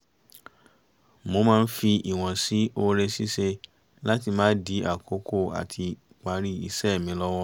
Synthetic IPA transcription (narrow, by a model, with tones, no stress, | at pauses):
mo˧mãː˦˧n̩˦fi˧i˨w̃ɔ̃˨si˨˦o˧ɾe˧si˦se˧ | la˦t̬i˧mãː˦di˨˦a˦˨ko˨˦ko˦˨a̰˨tʰi˧ | k͡pa˨˦ɾi˦i˧sɛ˦˨mĩ˨˦lɔ˦w̃ɔ˦